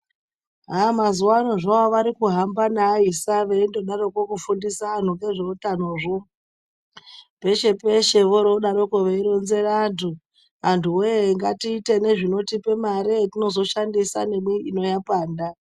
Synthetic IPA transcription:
ɦamazuwanoʐaoʋaɾikuɦambanaisaʋeindo̞ɗaro̞kokufundisaːn̤uŋɡe̞ʐerutan̤oːʐo | pe̞ʃe̞pe̞ʃe̞ʋoɾoɗaɾokoʋeiɾo̞nze̞rantʰu | antʰuweŋɡatiːte̞ne̞ʐino̞tipe̞maɾetino̞zo̞ʃandisa̰ne̞mwiino̞japaːnda

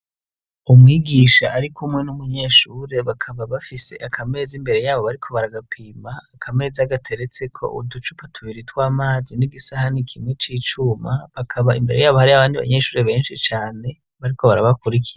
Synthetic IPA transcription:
umŋiːɡiʃaʔːɾikʰumŋe̞numuɲe̞ːʃuːɾeβakʰaβaβafise̞̰ʔakʰame̞ːzimbe̞ɾe̞jaːβo̞βaɾikʰo̞βaɾaɡapʰiːmaːkʰame̞ːziaɡatʰe̞ɾe̞t͡se̞kʰo̞̰ʔṵdut͡ʃupatʰuβiɾitwaːmaːziniɡisahanikʰimŋe̞t͡ʃiːt͡ʃumaβakʰaβaḭmbe̞ɾe̞jaːβo̞haɾiaβaːndiβa̰ɲe̞ːʃuːɾe̞βe̞ːnʃit͡ʃaːne̞ | βaɾikʰo̞βaɾaβakuɾikʰiɾa

